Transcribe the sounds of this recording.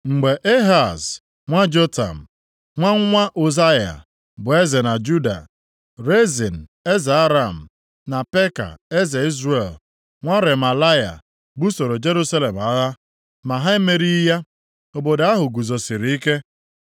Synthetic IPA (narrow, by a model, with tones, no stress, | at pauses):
ŋ͡m̩˨ɡ͡be˨ʔe˦ɦa˨z | ŋʷa˦d͡ʒo˦ta̰˨m̩˨ | ŋʷa˦ŋ˦ŋʷa˦ʔo˨za˦ja̰˨ | bʊ˨e˦ze˨na˨d͡ʒu˦da̰˨ | ɾe˦zi˨n̩˨e˦za˨a˦ɾa˦˨m̩˨ | na˨pe˦ka̰˨e˦ze˨i˦zɾe˨l | ŋʷa˦ɾe˨ma˨la˦ja̰˨ | bu˦so˨ɾo˨d͡ʒe˦ɾu˦sa˦le˨m˨a˦ɣa˦ | ma˨ɦa˦e˦me˦ɾi˦ja˦ | o˨bo˨da˦ɦʊ˨ɡu˨zo˨si˨ɾi˨i˦ke˦